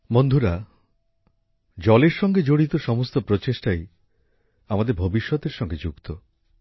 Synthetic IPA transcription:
mond̪ʱuɾa | d͡ʑɔleɾʃɔŋɡed͡ʒoɽit̪oʃɔmost̪opɾot͡ɕeʃʈaj | amad̪eɾbʱobiʃːɔt̪eɾʃɔŋɡed͡ʒukt̪o

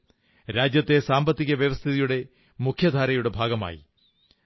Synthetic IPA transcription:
ɾaːd͡ʑjɐt̪ːesaːmbɐt̪ːiɣɐʋjɐʋɐst̪ʰiðijuɽe̞ | mukʰjɐd̪ʱaːɾɐjuɽe̞bʱaːɡɐma̰ːjḭ

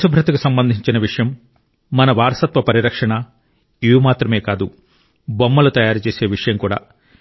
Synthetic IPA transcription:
subʱɾɐt̪ɐkusɐmbɐnd̪ʱiɲt͡ʃinɐʋiʂɐjɐmː | ɐnɐʋaːɾɐsɐt̪ʋɐpɐɾiɾɐkʂɐɳɐ | iʋumaːt̪ɾɐme̞ːkaːd̪u | bomːɐlut̪ɐjaːɾut͡ʃeːseːʋiʂɐjɐmkuːɽa̰ː

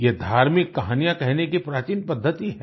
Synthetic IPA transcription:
jed̪ʱaːɾmɪkːɐɦaːnijãkɛɦnekipɾaːt͡ʃiːnpɐd̪ʱːət̪iɦɛː

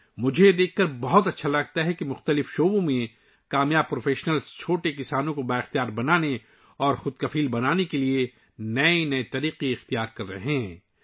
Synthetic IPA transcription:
mʊd͡ʒʱed̪eːkʰːɐɾbɔɦʊt̪ɐtːʃʰalɐɡ̚t̪aɦɛkimʊxt̪əlɪfʃoːbõmẽ | kaːmjaːb̚pɾoːfeːʃnəlst͡ʃʰoːʈekɪsaːnõkobaɪxt̪ijaːɾbɐnaːne | ɔːɾxʊd̪kɐfiːlbɐnaːnekelie | nɐenɐet̪ɐɾiːqiɪxt̪ijaːɾkɐɾːɐ̰ɦeɦɛ̃ː

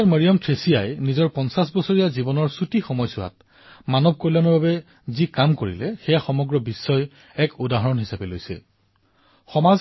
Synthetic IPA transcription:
aməɹiɔmtʰɹesijajnizɔɹpɔnsasbɔsɔɹijazibɔnɔɹsutixɔmɔjsʊwa̰t̚ | manɔb̚kɔlanɔɹbabɛ | zikamkoɹḭlɛxɛjaxɔmɔɡɹɔbisːɔj | ɛkudaɦɔɹɔnɦisapɛlojsɛ̰ | xɔmaz

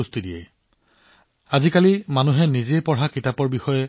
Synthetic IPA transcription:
ustidijɛ̰j | azikalimanuɦɛnizepɔɹakitapɔɹbixɔjɛ

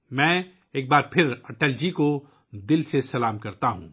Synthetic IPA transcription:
mɛ̃ː | eːk̚baːɾpʰɪɾɐʈəld͡ʒiko | d̪ɪlsesɐlaːmkɐɾt̪aɦṵ̃ː

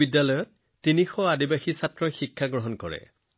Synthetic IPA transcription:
idːalɔjɔtː | inixɔadibaxisatɹɔxikʰːaɡɹɔɦɔnkɔɹɛ̰

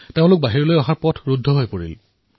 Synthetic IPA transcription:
teʊ̃lʊk̚baɦiɹɔlojɔɦaɹpɔtʰɹudʱːɔɦojpoɹḭl

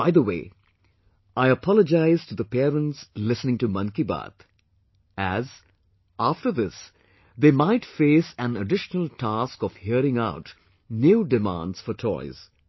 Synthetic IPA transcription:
baɪðəweː | ʔaɪəpʰɑləd͡ʒaɪzʈud̪əpɛɾə̃nslɪsnɪ̃ŋtumʌ̃nkiba̰t̪ | æz | afʈəɾðɪs | ðeːmaɪtfeːsæ̃nəɖɪʃnəl̩ˠtʰaskɔv̥hiəɾɪ̃ŋaʊt | njuːɖɨmã̰ndz̥fəɾtʰɔ̰ɪz̥

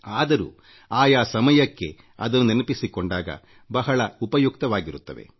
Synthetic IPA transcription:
aːd̪ɐɾṵː | aːjaːsɐmɐjɐkːe̞̰ | ɐ̰d̪ɐnːuninɐpisikoɳɖaːɡɐ̰ | bɐɦɐɭɐupɐjuk̚t̪ɐʋaːɡiɾut̪ːɐʋe̞̰

